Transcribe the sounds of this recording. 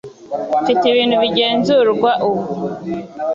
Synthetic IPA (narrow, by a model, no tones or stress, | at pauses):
fitiβiːnhuβiɟe̞ːnzuɾɡwaʔuku